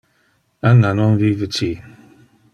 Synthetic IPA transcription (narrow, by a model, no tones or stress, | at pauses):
aŋanɔnvivət͡ʃi